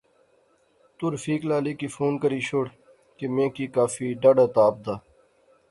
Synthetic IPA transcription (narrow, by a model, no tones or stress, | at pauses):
t̪ʊɾfiːklaːliːkiːfoːnkəɾiːɕoːɽ | kemẽːkiːkaːfiːɖɐɖət̪aːb̚d̪aː